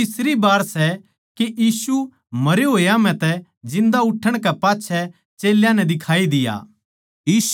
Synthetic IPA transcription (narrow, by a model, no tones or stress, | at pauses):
ɪsɾibaːɾsɛ | kejiːsu | mɐɾjoɦoːjam̤ɛ̃t̪ɛ | d͡ʒɪ̃nd̪aʊʈʰəɽ̃kɛpaːtːt͡ʃʰɛ | t͡ʃeːljãnɛd̪ɪkʰaːid̪ɪja̰ː | jiːs